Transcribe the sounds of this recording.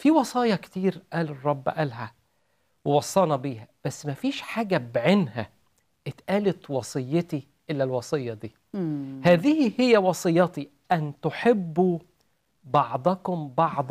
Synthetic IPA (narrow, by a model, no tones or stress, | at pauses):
fiwɑsˤɑːjɑkt̪iːɾʔæːlerˤːɑbːʔælɦæ | wewɑsˤːɑːnɑbiːhæb̥æsːmæfiːʃħaːɡæbʕenhæ̰ | ʔɪt̪ʔæːlet̪wɑsˤɨjːet̪i | ʔɪlːælwɑsˤɨjːɑd̪iː | hæːðɪhhɪjːæwɑsˤɨjːɑt̪i | ʔænt̪ʊħebːu | bɑʕd̪ˤɑkʊmbɑʕd̪ˤ